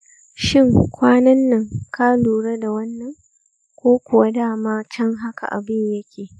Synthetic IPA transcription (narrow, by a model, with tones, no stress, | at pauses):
ʃɪ˦˨ŋkʷaː˦nɐ˦nːɐ˨ŋkaː˦luː˨ɽe˦da˨wɐ˦nːɐ˨ŋ | kʷoː˦kʷʊ˨wa˦daː˦˨maː˦t͡ʃɐ˦ŋɦa˦kʰa̰˨ʔa̰˨bɪ˦ɲjɐ˦kʲʰeː˨